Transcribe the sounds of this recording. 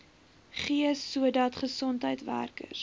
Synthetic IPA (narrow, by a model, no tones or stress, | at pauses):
χiəsːuədɐtχəsɔntɦəjtvæ̰rkə̰s